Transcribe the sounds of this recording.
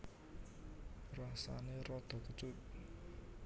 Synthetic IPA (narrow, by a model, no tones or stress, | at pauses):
rasa̰nerɔd̪̥ɔ̤kət͡ʃut̪̚